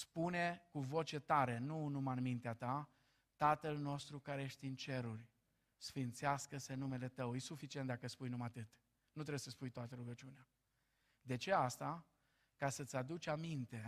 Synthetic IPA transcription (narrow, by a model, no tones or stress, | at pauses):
spune̞kuvo̞t͡ʃe̞t̪aɾe̞nunumanmint̪eat̪a | t̪at̪əlno̞st̪ɾukaɾejeʃt̪ʲɨnt͡ʃe̞ɾurʲ | sfint̪seaskəsenːume̞le̞t̪əwjisufit͡ʃiet̪̚d̪akəspujnumat̪ɨt̪ | nut̪̬ɾebjesəspujt̪oat̪əɾuɡət͡ʃunea | d̪e̞t͡ʃe̞ast̪a | kasət̪sʲad̪ut͡ʃamint̪e̞